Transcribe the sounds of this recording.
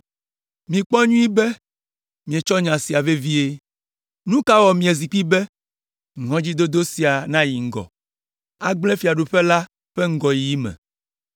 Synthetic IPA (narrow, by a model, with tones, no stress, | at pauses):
mĩ˨k͡pɔ˦ɲũ˦i˦bɛ˦ | mĩ˨e˨t͡ʃɔ˦ɲã˨si˨a˨ve˦vi˦e˦ | nũ˦ka˦wɔ˨mĩ˨e˨zi˨k͡pi˦bɛ˦ | ŋɔ̃˦d͡ʑi˦d̪o˦d̪o˦si˨a˨nã˦ji˨ŋ̩˦ɡɔ̰˨ | a˦ɡ͡blɛ̃˦fi˨a˨ɖu˨ɸe˦la˦ | ɸe˦ŋ̩˦ɡɔ˨ji˨i˦mɛ̰̃˨